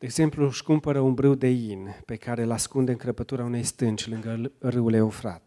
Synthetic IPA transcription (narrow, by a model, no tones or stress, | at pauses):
d̪̥eːɡz̥e̞mpluskumpəɾəumbɾɨwd̪e̞jinpe̞kaɾe̞laskund̪eɨŋkɾəpət̪uɾaune̞jst̪ɨnt͡ʃʲlɨŋɡərɨule̞ofɾa̰t̪